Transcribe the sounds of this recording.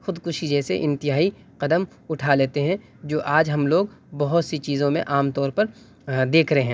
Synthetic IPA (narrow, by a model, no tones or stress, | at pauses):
xʊd̪kʊʃid͡ʒɛːsḛʔɪ̃nt̪ɪɦaːi | qɐd̪əm | ʊʈʰaleːt̪eɦɛ̃ | d͡ʒoːʔaːd͡ʒɦɐmloːɡbɐɦʊt̪sit͡ʃiːzõmḛ̃ʔaːmt̪ɔːɾpɐɾ | d̪eːkʰɾɐɦeɦɛ̃ː